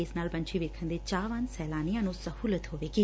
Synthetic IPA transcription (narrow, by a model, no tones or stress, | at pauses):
ɪsnaːlbə̃ɲt͡ʃiʋeːkʰə̃nd̪eːt͡ʃaːʋə̃nsɛːlaːnijãːnũːsəhuːlət̪ɦoːʋeːɡiː